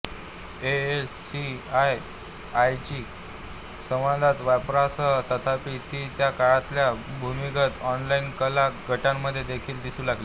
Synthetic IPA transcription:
eesːiaj | ajt͡ɕiː | sə̃ʋãd̪ʱat̪ʋajpɾasət̪ət̪ʰapiːt̪iːt̪jakaɭãt̪ljabʱumikət̪ɔnlainkəlaɡəʈamːəd̪ʱːjed̪ekʰiːld̪isuːlaɡli

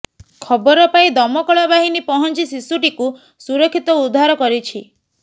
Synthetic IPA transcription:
kʰɔbɔɾɔpaĩd̪ɔmɔkɔɭɔbaɦinipɔɦɔnt͡ʃisisuʈiku | suɾɔkʰːit̪ɔud̪ʱːaɾɔkɔɾit͡ʃʰi

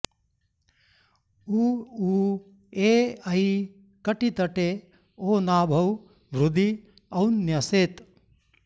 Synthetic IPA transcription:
uːuː | eːɐj | kɐʈit̪ɐʈe | oːnaːbʱɐw | ʋɾud̪i | ɐwnjɐseːt̪

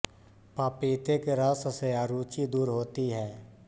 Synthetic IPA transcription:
paːpiːt̪ekeɾasseaːɾuːt͡ʃid̪uːɾɦoːt̪iɦɛː

